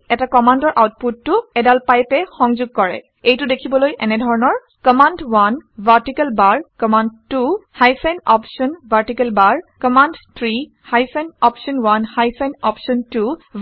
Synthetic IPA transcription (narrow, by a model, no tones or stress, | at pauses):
ɛtakɔmandɔɹʔawt̚putːʊɛdalpajpɛxɔŋzʊɡ̚kɔɹɛ̰ | ejtʊdekʰibɔlojʔɛnɛdʱɔɹɔnɔɹ | kɔmandwanvʱaɹtikɛlbaɹkɔmandtuhajsɛnɔpsɔnbʱaɹtikɛlbaɹkɔmandt̪ʰɹi | hajsɛnɔpsɔnwanhajsanɔpsɔntu